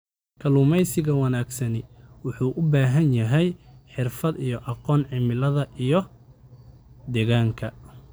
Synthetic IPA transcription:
kʰɐlʊmɛjsɪɣɐwɑnaːɡsɐnɪwʊħuːʔʊbaːɦɐnjɐɦɛjħɪrfɐd̪ijɔʔɑqɔːnʕɪmɪlɐðɐʔijɞ | d̪ɛːɣaːŋkʰɐ

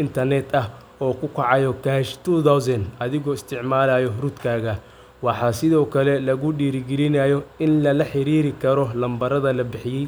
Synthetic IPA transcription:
ɪnt̪ʰɐrnɛd̪ɐɦ | ɔːkʰʊkʰɑʕɑjɔkʰaʃt̪ud̪awsɛnɐðɪɣɔːɪst̪ʰɪʕmaːlɐjɔrud̪kʰaːɣɐ | wɑħɑːsɪðɔːkʰɐlɛlɐɣʊɖiːɾɪɡɛlɪnaːjɔɪnlɐlɐħɪɾiːɾɪkʰɐɾɔlɐmbɐɾɐðɐlɐbɪħɪjɛj

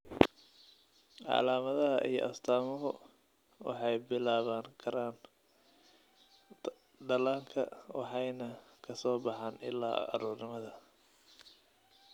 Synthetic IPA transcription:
ʔʕɑ̰laːmɐðɐɦɐʔḭjɔ̰ʔɐst̪ʰaːmɔɦʊ̰ | wʔɑ̰ħɑjbɪlaːβaːŋkʰɐɾaːn | ɖ̪ɐlaːŋkʰɐ̰wɑ̰ħɑjnɐkʰɐsɔːbɑħɑːnɪ̰lːa̰ːɐ̰ɾuːrnɪmɐðɐ

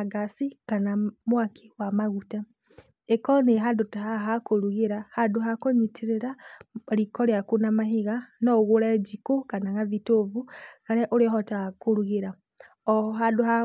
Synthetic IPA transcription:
aɡasikanamwakʰi̥wamaɣuta | ekɔneɦadotaɦaɦakoɾuɣeɾahaduɦakoɲitʰeɾeɾaɾikɔɾjakunamaɦiɣanɔɣoɾɛd͡ʒikokanaŋaðitovukaɾɛʔoɾeɦɔtaakoɾuɣeɾa | ɔɦaduha

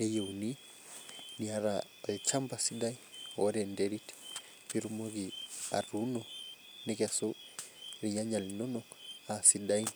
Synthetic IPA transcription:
ɛjeuni | niaɾa | ɛt͡ʃambasidaiɔɾɛndɛɾit | biɾumoɡia̰ɾunɔ | nikɛso | ɾiɲaɲalinɔnɔ | asidai

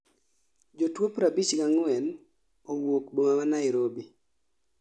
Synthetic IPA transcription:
d͡ʒotwopɾabit͡ʃɡaŋwɛn | owokbomamanaɪɾobi

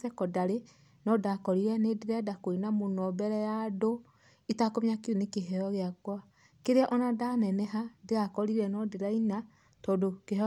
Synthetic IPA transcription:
sɛkɔdaɾe | nɔdakɔɾiɾɛnedeɾɛadakoinamonɔbɛɾɛjado | itakomiakiunikeɦɛɔɣeakwa | keɾeaʔɔnadanɛnɛɦadeakɔɾiɾɛnɔdeɾaina | tɔːdokeɦ

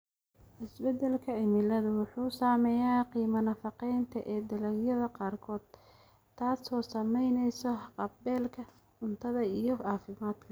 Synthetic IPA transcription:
ʔɪsbɛd̪ɛlkʰɐɪmɪlɐðʊwʊħuːsaːmɛjaːqiːmɐnɐfɑqɛjnt̪ʰɐʔɛːd̪ɐlɐɡjɐðɐqɑːrkʰɔːd̪̥ | t̪ʰːaːsɔːsɐmɛjnɛjsɔqɑbbɛːlkʰɐ | ʊnt̪ʰɐðɐijɞaːfɪmaːd̪̥kʰɐ

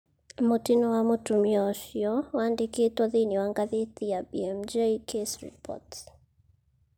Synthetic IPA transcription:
motinɔwamotumjɔʃjɔwaːndeketwɔðiniwaŋɡaðet̪ijabiɛmd͡ʒeikʰesɾḭpʰɔ̰t

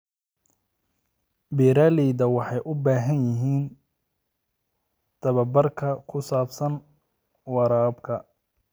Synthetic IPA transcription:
biɾaːliːd̪ɐwɑħɑjʔʊbaːɦɐnjɪɦiːn | t̪ʰɐβɐbɐrkʰɐkʰʊsaːbsɐn | wɑɾaːbkʰɐ

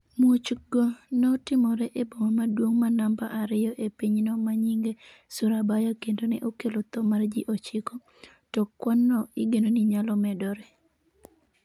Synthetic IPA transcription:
mot͡ʃɡonɔtɪmɔɾɛʔebomamadwoŋmanamba̰ʔaɾɪjɔʔepiɲnɔmaɲiŋɡe | sʊɾabajakendonɛʔokelot̪ɔmard͡ʒiʔot͡ʃɪkɔ | tɔkːwanːɔɪɡenoniɲalɔmɛdɔɾɛ

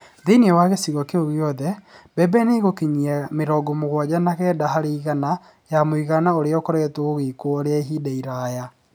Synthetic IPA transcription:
ðeiniɛwaɣesiɣɔkeoɣjɔðɛbɛbɛneɣokeɲiameɾɔːɡɔmoɣwad͡ʑanaɣɛːdaɦaɾeiɣana | jamoiɣanaoɾeɔkɔɾaɣɛtooɣekoɔɾeaɦidaiɾaːja

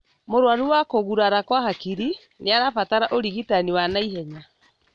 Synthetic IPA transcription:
moɾwaɾuwakoɣuɾaɾakwahakiɾi | neaɾafataɾaʔoɾiɣitaniwanaiɦɛɲa

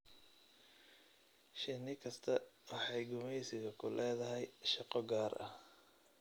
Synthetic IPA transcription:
ʃɪnɪkʰɐst̪ʰɐwɑħɑjɡʊmɛjsɪɣɐkʰʊlɛːðɐɦɛjʃɑqɔɡaːrʔɐ̰h

